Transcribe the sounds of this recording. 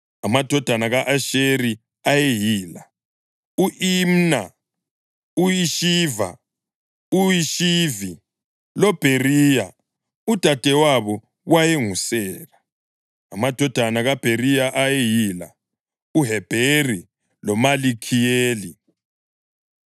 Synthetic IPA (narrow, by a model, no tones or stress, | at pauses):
amad̥ʱɔd̥ʱanaɣaʔaʃeɾi | ajejiːla | uʔim̩na | uiʃiːva̰ | uiʃivi | lɔb̥ʱerija | ud̥ʱad̥ʱɛwaβɔ | ɣwajeŋusɛːlaː | mad̥ʱɔd̥ʱanaɣab̥ʱeɾijaʔajejiːla̰ | uɦɛb̥ʱeri | lɔmalikʰijeːli